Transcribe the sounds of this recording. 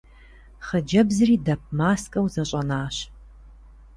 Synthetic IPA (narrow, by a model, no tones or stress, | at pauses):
χəd͡ʒɐbzɨriːdɐp̚maːskʼɐwzɐɕʼɐnaːɕ